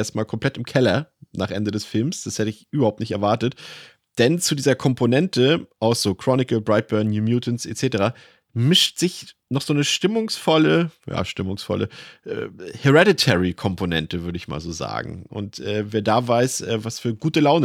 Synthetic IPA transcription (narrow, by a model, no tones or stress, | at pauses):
eɐst̚maːlkʰɔmpl̥ɛtɪmkʰɛlɐnaːχʔɛndədɛsfɪlmsd̥ashɛtəɪçʔyːbɐhaʊp̚tnɪçtɛɐvaɐtət | d̥ɛnt͡sudiːzɐkʰɔmpʰonɛntəʔaʊsz̥oːkʁ̥ɔnɪkl̩bʁaɪt̚b̥œɐnjuːmjuːtn̩sʔḛt͡seːtəʁaː | mɪʃtz̥ɪçnɔχz̥oːnəʃtɪmʊŋsfɔləja̰ːʃtɪmʊŋsfɔ̰lʔə̰ʔɛ̰ːhɛʁɛdɪtʰɛʁikʰɔmponɛ̰ntəvʏɐɾəɪçma̰ːlzoːza̰ːɡŋ̩ʔʊ̰ntʔɛːveːɐdaːvaɪsʔɛːvasfyːɐɡuːtəlaʊnə